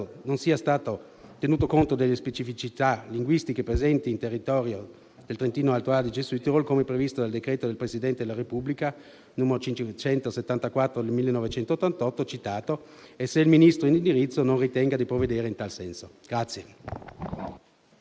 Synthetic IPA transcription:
nonsiːast̪aːt̪o | t̪enuːt̪okont̪od̪elːespet͡ʃifit͡ʃit̪aliŋɡwist̪ikepɾezɛnt̪iːnt̪erːit̪ɔːɾjo | d̪elt̪ɾent̪iːnoalt̪oad̪id͡ʒesuit̪evolkomepɾevist̪od̪ald̪ekɾeːt̪od̪elpɾesid̪ɛnt̪ed̪elaɾepublika | nuːmeɾot͡ʃit͡ʃɛnt̪oset̪ːant̪akwat̪ːɾod̪elmilːenovet͡ʃɛnt̪oːt̪ːant̪ɔt̪ːot͡ʃit̪aːt̪oeseilminist̪ɾoinind̪iɾit̪sːononrit̪ɛŋɡad̪ipɾovːed̪eːɾeint̪alsɛnsoɡ̥ɾat̪sːje

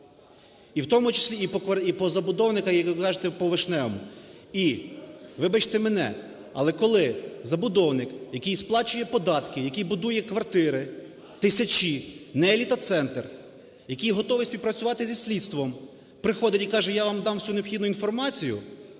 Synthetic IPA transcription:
iwt̪ɔmʊt͡ʃɪ̥sʲlʲiipɔkɐipɔzɐbʊd̪ɔwnɪkɐkɑʒet̪ɛpɔʋɪʃnɛmʊ | i | ʋɪbɐt͡ʃt̪ɛmɛnɛ̰ | ɐ̰lˠɛkɔlˠɪzɐbʊd̪ɔwnɪkjɐkɪjsplˠɑt͡ʃʊjɛpɔd̪ɑt̪kɪjɐkijbʊd̪ujɛkʋɐrt̪ɪɾɪ | t̪ɪsʲɐt͡ʃinɛːlʲit̪ɐt̪sɛnt̪r | jɐkijɦɔt̪ɔʋɪsʲpʲiwpɾɐt͡sʲʊʋɑt̪ɪzʲisʲlʲid̪st̪ʋɔm | pɾɪxɔd̪ʲɐtʲikɑʒɛjɑʋɑmd̪ɑmwsʲuneɔpxʲid̪nʊinfɔrmɑt͡sʲijʊ̰

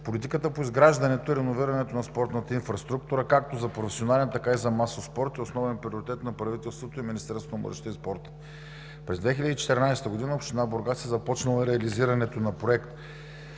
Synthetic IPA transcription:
polit̪ikət̪əpoizɡɾaʒd̪ɐnɛt̪oiɾɛnoviɾɐnɛt̪onɐspɔɾt̪nət̪əinfɾɐst̪ɾukt̪uɾəkak̚t̪ozɐpɾofɛ̥sionalɛnt̪ɐkaizɐmasospɔɾt̪iosnɔvɛnpɾʲioɾit̪ɛt̪nɐpɾɐvit̪ɛlˠst̪vot̪oiminist̪ɛɾsonmə̰ɾʃt̪əispɔɾt̪ə̥ | pɾɛzd̪vɛxʲilʲəd̪iːt͡ʃɛ̥t̪ɛɾnajsɛ̥t̪əɡod̪inəopʃt̪inaboɾɡasɛzɐpɔt͡ʃnɐlˠɐɾɛɐliziɾɐnɛt̪onɐpɾoɛkt̪

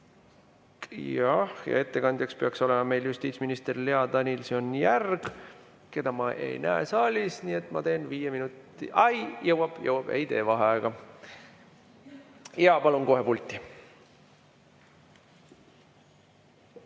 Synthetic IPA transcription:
jɑhjɑ̰e̞t̪ːe̞kɑnʲd̪jɑkspeɑkso̞lemɑme̞jljust̪iːt̪sminist̪erleɑd̪ɑnʲilseonjærɡ̥ | ke̞d̪̥ɑmɑʔe̞̰jnæesɑːlʲisniːe̞t̪ːˑmɑt̪e̞ːnviːjeminut̪ˑːḭʔɑjjɤwɑb̥jɤwɑb̥ḛjd̪e̞ːvɑɦeɑeɡ̥ɑ | jɑpɑlunko̞ɦe̞pult̪ʲːˑi

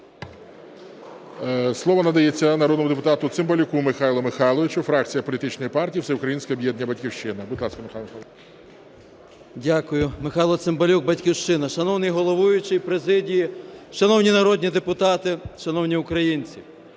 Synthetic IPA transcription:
slˠɔʋɔnɐd̪ɐjet͡sʲːɐnɐɾɔd̪nɔmʊd̪epʊt̪ɑt̪ʊt̪sɪmbɐlʲʊkumɪxɑjlˠɔmɪxɑlˠɔʋʲɪt͡ʃʊfɾɑk̚t͡sʲijɐpɔlʲit̪ɪt͡ʃnɔjipɑrtʲijiwsɛʊkɾɐjinsʲkɛɔbjɛd̪ʲnʲɐbɐtʲkʲiwʃt͡ʃɪnɐbʊd̪lˠɑskɐmɪxamxalˠ | dʲakʊjʊmɪxɑjlˠɔt̪sɪmbɐlʲuɡ̚bɐtʲkʲiwʃt͡ʃɪnɐʃɐnɔwnɪjɦɔlˠɔʋujʊt͡ʃɪjpɾezɪdʲijiʃɐnɔwnʲinɐɾɔdʲnʲid̪epʊt̪ɑt̪ɪʃɐnɔwnʲiʊkɾɐjinʲt͡sʲi

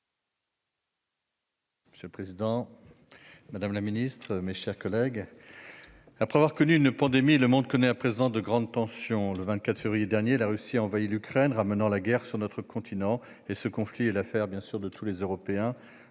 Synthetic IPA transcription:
məsjøləpχezid̪ɑ̃ | mad̪amlaminist̪χəmeʃɛʁkɔlɛɡ | apχɛavwaʁkɔnyynpɑ̃d̪emiləmɔ̃d̪̚kɔnɛapχezɑ̃d̪əɡʁɑ̃d̪̚t̪ɑ̃sjɔ̃ləvɛ̃nt̪kat̪χəfevʁijed̪ɛʁnjelaʁysiaɑ̃vailykχɛnʁamənɑ̃laɡɛʁsyʁnɔt̪χəkɔ̃t̪ʰinɑ̃ | esəkɔ̃fliɛlafɛʁbjɛ̃syʁd̪ət̪ʰulezøʁɔpeɛ̃

